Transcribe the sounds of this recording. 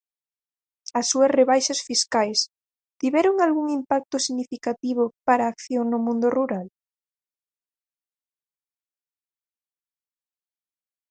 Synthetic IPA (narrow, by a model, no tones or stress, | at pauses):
ɐsːuɐsreβajʃasfiskajs | t̪iβɛɾoŋalɣuŋimpak̚t̪ʊsiɣnifikat̪iβʊpaɾaːkθjoŋnʊmũnd̪ʊruɾal